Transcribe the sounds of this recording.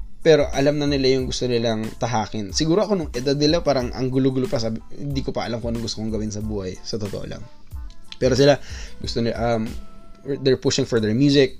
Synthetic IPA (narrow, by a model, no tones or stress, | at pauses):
pɛːɾo̞ʔɐlamnɐnɪlajʊŋɡʊst̪onɪlaŋt̪ɐɦaːkɪnsɪɡuːɾo̞ʔɐko̞nʊŋʔɛd̪ad̪̚nɪlapaːɾɐŋʔɐ̰ŋɡʊlʊɡʊlʊpɐsaːbɪhɪ̰nd̪iːkopɐʔɐlamkoɐnoŋɡʊst̪okoŋɡɐwɪnsɐbuːhajsɐt̪ot̪oʔo̰la̰ŋ | pɛːɾo̞sɪlaɡʊst̪onɪʔɐm | d̪ɛɹpʊʃɪŋfɛd̪ɛɹmjuːsɪk̚